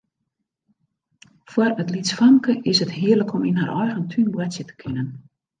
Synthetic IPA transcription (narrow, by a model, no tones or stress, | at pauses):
fwɔrətlitsfamkəʔɪsəthiərləkɔminɦarʔɔjɣəntʰynbwatsjətə̥kʰɪnən